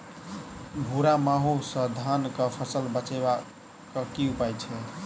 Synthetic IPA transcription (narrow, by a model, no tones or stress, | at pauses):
bʱuɾamaɦusə̃d̪ʱankəpʰəsəlbət͡ʃeba | kəkiupajt͡ʃʰɛ